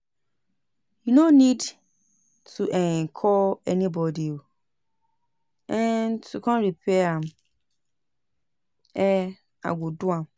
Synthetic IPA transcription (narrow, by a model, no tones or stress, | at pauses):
junonid | tʰuʔɛ̃ŋkʰɔlɛnibɔdio | ɛ̃ntukʰãnɹipʰɛãm | ɛ | a̰ɡudũãm